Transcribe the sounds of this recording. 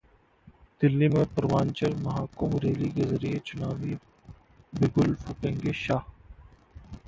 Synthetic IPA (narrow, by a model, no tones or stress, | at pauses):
d̪̥ɪlːimẽpəɾʋaːnt͡ʃəɾmɐɦaːkʊmɾeːlikezɐɾiet͡ʃʊnaːʋi | bɪɡʊlfʊkẽːŋɡeʃaːh